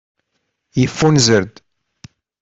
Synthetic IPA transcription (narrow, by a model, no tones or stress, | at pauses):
jəfːunzəɾd̪